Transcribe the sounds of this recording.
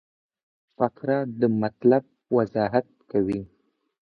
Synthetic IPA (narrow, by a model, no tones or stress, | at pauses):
fakɾad̪əmat̪lab̚ | wazɑɦat̪̚kawi